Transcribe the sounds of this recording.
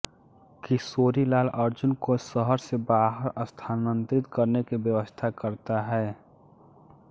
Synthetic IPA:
kisoːɾilaːlɐɾd͡ʒʊnkosəɦəɾsebaːɦəɾəst̪ʰaːnə̃nt̪ɾɪt̪kəɾnekibjəʋəst̪ʰakəɾt̪aɦɛː

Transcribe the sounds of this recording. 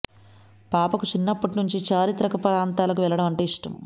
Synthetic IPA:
paːpɐkut͡ʃinːɐpːɐʈinuɲt͡ʃit͡ʃaːɾit̪ɾɐkɐpɐɾaːnt̪aːlɐkuʋɛlɐɽɐmɐɳʈeːiʂʈɐ̰m

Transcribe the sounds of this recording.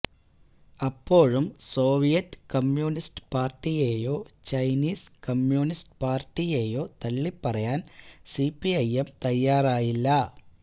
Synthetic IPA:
ɐpːo̞ːɻumso̞ːʋijɐtːɨ̥kɐmjuːnistɨ̥paːrʈːijeːjo̞ːt͡ɕɐjniːskɐmjuːnisʈɨ̥paːrʈːije̞ːjo̞ːt̪ɐɭːipːɐrɐjaːnsipːiɐjemt̪ɐjːaːraːjilːɐ

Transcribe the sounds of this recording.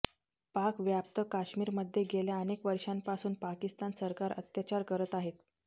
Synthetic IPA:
pakʋjap̚t̪əkaɕmiːɾməd̪ʱːjeɡeljaənekʋəɾʂampasuːnpakist̪ansəɾkaɾə̰t̪jat͡ɕaɾkəɾət̪aɦet̪

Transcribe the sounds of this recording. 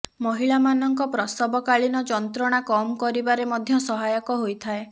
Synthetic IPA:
mɔɦiɭamanɔŋkɔpɾɔst̪ɔbɔkaɭinɔd͡ʒɔnt̪ɾɔɽ̃akɔmɔkɔɾibaɾemɔd̪ʱjɔsɔɦajɔkɔɦojt̪ʰae

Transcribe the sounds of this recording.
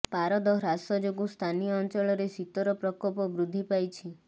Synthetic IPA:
paɾɔd̪ɔɾasɔd͡ʒoɡust̪ʰanijɔːnt͡ʃɔɭɔɾesit̪ɔɾɔpɾɔkɔpɔbɾud̪ʱːipajt͡ʃʰi

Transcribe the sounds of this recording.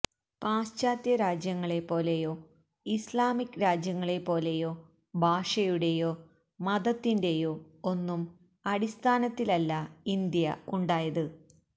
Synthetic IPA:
paːst͡ɕaːt̪jɐɾaːd͡ʑjɐŋːɐɭe̞pːo̞ːle̞jo̞ː | islaːmikːɾaːd͡ʑjɐŋːɐɭe̞pːo̞ːle̞jo̞ː | bʱaːʂɐjuɽe̞jo̞ː | mɐðɐt̪ːinde̞jo̞ː | o̞nːum | ɐɽist̪ʰaːnɐt̪ːilɐlːɐind̪jɐuɳɖaːjɐðɨ

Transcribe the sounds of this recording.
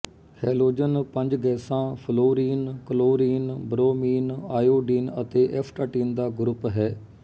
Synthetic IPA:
hɛːloːd͡ʒənpə̃ɲd͡ʒɡɛːsãːpʰəloːɾiːnkəloːɾiːnbɾoːmiːnaːjoːɖiːnət̪eːʔɛːpʰʈaːʈiːnd̪aːɡɾʊpɦɛː

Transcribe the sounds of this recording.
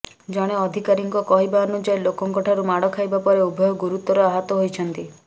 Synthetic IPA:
d͡ʒɔɽ̃eɔd̪ʱikaɾiŋkɔkɔɦibaɔnut͡ʃajlokɔŋkɔʈʰaɾumaɽɔkʰajbapɔɾeubʱɔjɔɡuɾut̪ɔɾɔaɦɔt̪ɔɦojt͡ʃʰɔnt̪i

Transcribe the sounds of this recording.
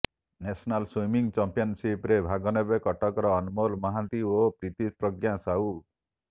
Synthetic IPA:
nesɔnalswimiŋt͡ʃampijɔnsipɾebʱaɡɔnebekɔʈɔkɔɾɔːnumolmɔɦãnt̪iopɾit̪ipɾɔɡjãsau

